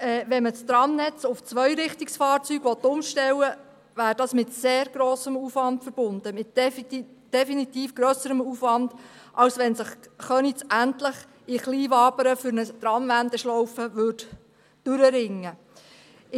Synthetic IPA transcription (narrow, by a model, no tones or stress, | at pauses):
ɛːʋɛnməst̪ɾɑmnɛt͡sʊft͡sʋœʏɾɪχtiksfɑːɾt͡syːɡ̥ʋɔt̪ːʊmʃtɛwə | væːɾd̥ɑsmɪtseːɾɡɾɔːsəmufʋɑntfəɾb̥ʊnd̥əmɪt | d̥ɛfinit̪iːfɡ̥ɾœsəɾəmuːfvɑnd̥ʔɑwsʋɛnsəχχœnit͡sæntləχ | ɪχliːvɑːbəɾəfʏɾnət̪ɾɑmvænd̪əʃlɔwfəʋʏːd | d̥ʉɾəɾɪŋːə